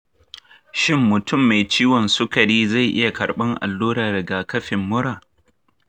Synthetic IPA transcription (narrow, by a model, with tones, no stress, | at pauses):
ʃɪ˦mːʊ˨tʰʊ˦˨mːa˨jt͡ʃiː˦wɔ˨nsʊ˦kɐ˨ɽiː˦za˦˨jʔɪ˦ja˨kɐ˨ɽɓɐ˦ŋʔa̰˨lːuː˦ɽaː˨dɐ˨ɡaː˨kɐ˦ɸɪ˨mːʊ˦ɽaː˨